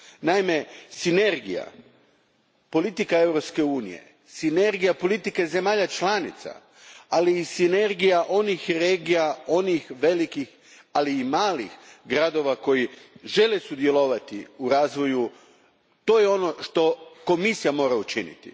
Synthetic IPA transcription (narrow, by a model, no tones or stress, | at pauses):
naime̞sine̞ɾɡḭja̰ | po̞lit̪ikae̞vɾo̞pske̞uːnḭjḛ | sine̞ɾɡijapo̞lit̪ike̞ze̞maːʎat͡ʃlˠanit̪sa̰ | aliːsine̞ɾɡijaʔo̞nixɾeːɡijao̞nixʋe̞likix | aliːmaːlixɡɾad̪o̞ʋako̞jiʒe̞lesud̪je̞lo̞ʋat̪iuɾaːzʋo̞ju | t̪o̞ːjeo̞no̞ʃt̪o̞ko̞misijamo̞ːɾaut͡ʃinḭt̪ḭ